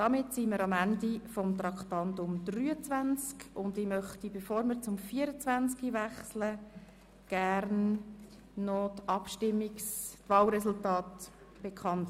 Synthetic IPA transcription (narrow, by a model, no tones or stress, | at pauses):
d̥ɑmɪtsiməɾɑmændifɔmt̪ɾɑktɑntʊmdryːət͡svænt͡skʊndɪmœχt̪ibefoːɾməɾt͡sʊmfiːəɾət͡svænt͡skivæχslə | ɡ̥ærnː | ɔtɑpʃtɪmːikstvɑːlɾɛsʊltɑːt | b̥ekʰɑnt